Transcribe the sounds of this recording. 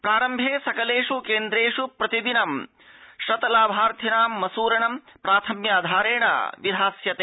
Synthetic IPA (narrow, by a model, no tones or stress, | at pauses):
pɾaːɾɐmbʱeːsɐkɐleːʂukeːnd̪ɾeːʂupɾɐt̪iʋinɐm | ʃɐt̪ɐlaːbʱaːɾt̪ʰinaːmːɐsuːɾɐɳɐmpɾaːt̪ʰɐmjaːd̪ʱaːɾeːɳɐ̰ʋid̪ʱaːsjɐt̪eː